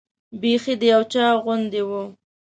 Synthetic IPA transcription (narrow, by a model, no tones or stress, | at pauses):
bexid̪əjawt͡ʃɑɣʊnd̪ewu